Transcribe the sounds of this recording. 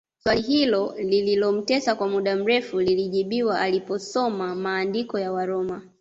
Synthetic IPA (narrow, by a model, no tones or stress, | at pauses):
swaliɦilɔlililɔm̩tɛsakwamuɗam̩ɾɛfuliliʄiɓiwaʔalipɔsɔmamaːndikɔjawaɾɔma